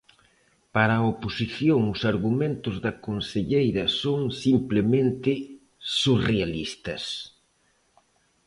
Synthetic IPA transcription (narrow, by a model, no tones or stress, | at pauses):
paɾaoposiθjoŋʊsaɾɣumẽnt̪ʊzðɐkonseʎejɾɐsoŋsimplemẽnt̪ɪ | surealist̪ɐs